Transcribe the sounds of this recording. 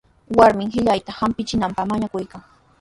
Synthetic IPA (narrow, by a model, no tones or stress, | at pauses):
waɾmɪŋhɪʎajt̪ahampɪt͡ʃɪnampamaɲakʊjkaŋ